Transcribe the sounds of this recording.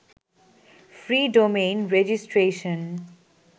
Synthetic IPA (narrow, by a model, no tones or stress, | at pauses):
fɾiːɖomẽːnɾɛd͡ʒɪsʈɾeːʃə̃n